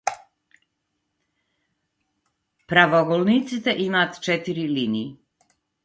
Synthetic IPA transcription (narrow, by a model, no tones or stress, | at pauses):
pɾaʋoɡolˠnit̪sit̪eʔimat̪t͡ʃɛt̪iɾiliniji